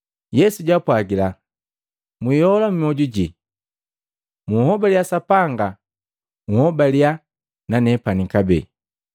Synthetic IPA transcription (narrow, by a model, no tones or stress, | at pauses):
jɛsuɟwapwaɡila | mwijɔlam̩iɔɟuɟi | muhɔbaljasapaŋɡa | uhɔbalja | nanɛpanikabɛ̰